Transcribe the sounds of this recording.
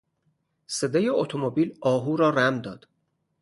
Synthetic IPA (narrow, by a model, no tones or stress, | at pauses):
sed̪ejeot̪ʰomobiːlɒːɦuːɾɒːɾæmd̪ɒːd̪̥